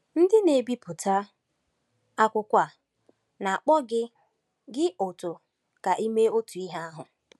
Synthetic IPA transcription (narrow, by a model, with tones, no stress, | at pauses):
n̩˦dɪ˦ne˨bi˦pʊ˨tʰa˦ | a˦kʷʊ˦kʷa˨ | na˨a˨k͡pɔ˦ɡɪ˦ | ɡɪ˦ʔʊ˨tʊ˨ | ka˨ʔi˦me˦o˦tu˨i˦ɦa˦a˦ɦʊ˨